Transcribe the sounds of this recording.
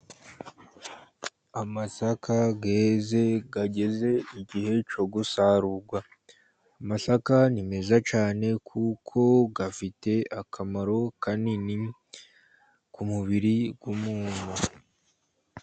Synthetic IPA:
amasakʰaɡeze̞ɡaɟe̞ze̞iɟihe̞t͡ʃo̞ɡusaɾuɾɡwaː | masakanime̞zat͡ʃaːne̞kʰukʰo̞ɡafite̞akʰamaɾo̞kanini | kumuβiɾiɡwumuːna

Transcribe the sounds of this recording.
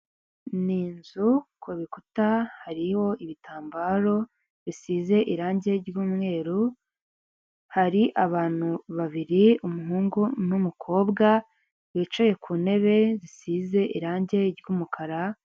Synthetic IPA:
niːnzukʰuβikutahaɾiho̞ʔiβitʰaːmbaːɾo̞ | βisiːze̞ʔiɾaːɲɟe̞ɾjuːmŋe̞ːɾu | haɾiʔaβaːn̥huβaβiɾiumuɦuːŋɡunumukʰo̞ːbɡa | βit͡ʃaje̞kʰuːne̞βe̞zisiːze̞ʔiɾaːɲɟe̞ɾjumukʰaɾa

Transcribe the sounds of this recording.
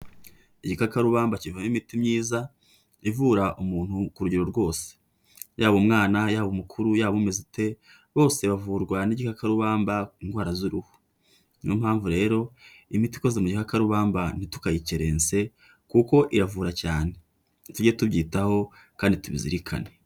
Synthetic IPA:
iɟikakaɾuβaːmbacivamimitimɲiːza | ivuːɾaʔumuːn̥hukuɾuɟiɾo̞ɾɡwo̞ːse̥ | jaːβumŋaːnajaːβomukʰuɾujaːβumezite̞ | βo̞ːse̞βavuɾɡwaniɟikakaɾuβaːmbaiŋɡwaːɾazuɾuhu̥ | nom̥haːɱvuɾe̞ːɾo̞imiti̥kozemuɟikakaɾuβaːmban̥itu̥kajiceɾe̞ːnt͡se̞ | kuko̞ʔiɾavuːɾacaːne̞ | tuɟetubɟiːtaho̞ | kaːndituβizḭɾikʰa̰ne

